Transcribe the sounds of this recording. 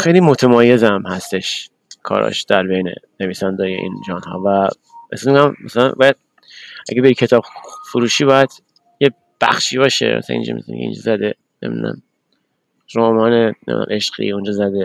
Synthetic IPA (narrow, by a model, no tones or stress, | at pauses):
xejliːmo̞t̪ʰemɒːje̞zæmhæst̪e̞ʃ | kʰɒ̰ːɾɒ̰ːʃd̪̥æɾbejnḛne̞viːsænd̪ɒːjḛʔḭːnd͡ʒɒːnhɒ̰ːvæ | ḛsizmeɡæmːæsælænbɒːjæd̪̥̚ | ʔæɡebeɾikʰe̞t̪ʰɒːb̥fuɾuːʃiːbɒːjæd̪̥ | je | b̥æ̰xʃiːbɒːʃḛmæ̰sḭnd͡ʒ̰mḛzm̰kḛḭnd͡ʒɒ̰zæd̪e | nemid̪ṵnæ̰m | ɾoːmɒːnenḛm̰næ̰mʔe̞ʃqḭːund͡ʒɒːzæd̪e